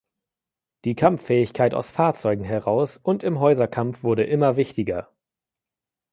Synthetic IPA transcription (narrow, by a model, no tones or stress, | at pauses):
d̥iːkʰamfɛːɪçkʰaɪta̰ʊsfaːɐt͡sɔʏɡŋ̩ɦɛʁaʊsʊntɪmɦɔʏzɐkʰamfv̥ʊɐɾəʔɪmɐvɪçtɪɡɐ